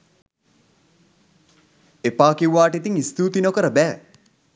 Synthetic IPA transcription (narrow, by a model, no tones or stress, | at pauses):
epaːkewːaːʈet̪iŋist̪uːt̪inokəɾəbæː